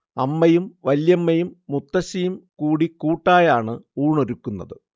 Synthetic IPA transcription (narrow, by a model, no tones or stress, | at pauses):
ɐmːɐjumʋɐljɐmːɐjumːut̪ːɐɕɐjumkuːɽikuːʈːaːjaːɳɨuːɳo̞ɾukːunːɐðɨ